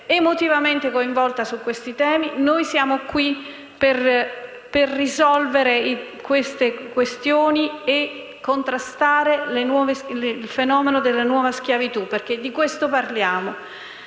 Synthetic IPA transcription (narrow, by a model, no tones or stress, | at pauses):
emot̪ivament̪ekoiɱvɔlt̪asukːwest̪it̪ɛːminojsjaːmokwi | per | perːizɔlveɾe | kwest̪ekwest̪joːnie | kːont̪ɾast̪aːɾelenwɔːvesleilfenɔːmenod̪elːanwɔːvask̟javit̪uperk̟ed̪ːikwest̪oparljaːmo